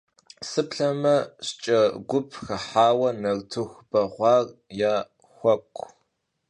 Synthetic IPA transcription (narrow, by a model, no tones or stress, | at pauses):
sɨpɬɐmɐɕt͡ʃʼɐɡʷʊpʰxɐħaːwɐnɐrtʰɨxb̥ɐʁʷɑːrjaː | xʷɐkʷʰʼ